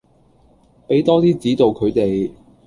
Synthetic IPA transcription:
pe˨˥jt̪ɔː˥t̪iː˥t͡siː˨˥t̪o˨wkʰɵ˨˧ɥt̪e˨j

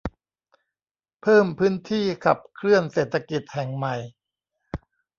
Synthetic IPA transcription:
pʰɤː˥˩mpʰɯː˦˥nt̪ʰiː˥˩kʰa˨˩p̚kʰɾɯ˥˩ənseː˨˩t̪ʰːa˧ki˨˩t̪̚hɛ˨˩ŋma˨˩j

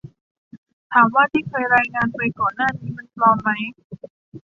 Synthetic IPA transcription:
t̪ʰaː˩˦mwaː˥˩t̪ʰiː˥˩kʰɤː˧jɾaː˧jŋaː˧npa˧jkɔː˨˩nːaː˥˩niː˦˥ma˧˥˩nplɔː˧mːa˦˥j

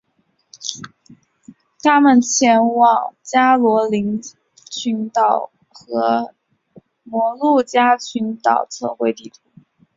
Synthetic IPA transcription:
t̪ʰa˥mə˨˩nt͡ɕʰjɛ˧˥nwɑ˨˩ŋt͡ɕja˥lwɔ˧˥li˧˥ŋ | t͡ɕʰy˧˥nt̪ɑ˨˩ʊ | xɤ˧˥ | mwɔ˧˥lu˥˩t͡ɕja˥t͡ɕʰy˧˥nt̪ɑ˨˩ʊt͡sʰɤ̰˥˧xwe˥˧ɪt̪i˥˩ʈ͡ʂʰu˧˥

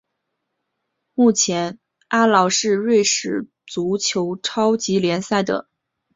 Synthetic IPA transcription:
mu˥˩t͡ɕʰjɛ˧˥n | a˥lɑ˧˩˥ʊʂɻ̩˥˧ɻwe˥˩ɪʂɻ̩˨˩ | t͡su˧˥t͡ɕʰjo˧˥ʊʈ͡ʂʰɑ˥ʊt͡ɕi˧˥ljɛ˧˥nsa˥˩ɪd̪ə̰˩

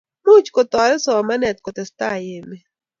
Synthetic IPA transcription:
mu˦t͡ʃkɔ˨t̪ɔ˨ɾɛ˦sɔ˨ma˦nɛ˨t̪̚kɔ˨t̪ɛ˨sta˦˨je˨me˨

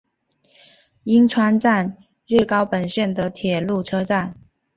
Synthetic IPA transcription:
i˥ŋʈ͡ʂʰwa˥nʈ͡ʂa˥˧n | ɻɻ̩˥˩kɑ˥ʊpə˨˩nɕjɛ˥˩nd̪ə˨t̪ʰjɛ˨˩lu˥˩ʈ͡ʂʰɤ˥ʈ͡ʂa˥˩n

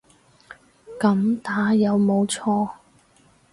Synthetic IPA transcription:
kɐ˨˧˥mt̪aː˨˥jɐ˨˧wmo˨˧wt͡sʰɔː˧

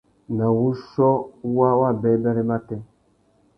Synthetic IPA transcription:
na˨wu˦ʃɔ˦wa˦wa˦˨bɛ˦bɛ˦ɾɛ˦ma˦tɛ˦

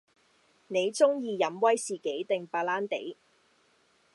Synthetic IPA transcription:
ne˨˧jt͡sʊ˥ŋjiː˧jɐ˨˧˥mwɐ˥jsiː˨ke˨˥jt̪ɪ˨ŋpaː˧laː˥nt̪ḛ˨˥j

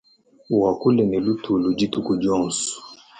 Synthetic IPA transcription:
wa˨ku˦lɛ˨nɛ˨lu˦tu˨lu˨d͡ʒi˦tu˦ku˨d͡ʒɔ˦n˨s

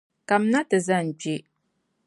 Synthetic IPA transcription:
ka˨m̩˦na˦tɨ˨za˦n˨ɡ͡be˦

